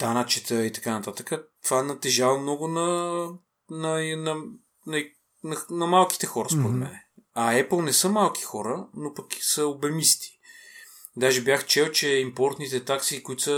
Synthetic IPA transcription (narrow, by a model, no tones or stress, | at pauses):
t̪anət͡ʃɛt̪əit̪ɐ̥kanɐt̪at̪əkət̪vanɐt̪ɛʒavɐmnɔɡʊnɐ | nɐnɐ | nɐ | nɐnɐmalˠki̥t̪ɛxɔɾəspoɾɛd̪mmɛnɛɐɛplˠnɛsɤmalˠkʰi̥xɔɾənopɐki̥səobɛmist̪i̥ | d̪aʒɛbjaxt͡ʃɛwt͡ʃɛimpɔɾt̪nit̪ɛt̪aksikʊit̪sə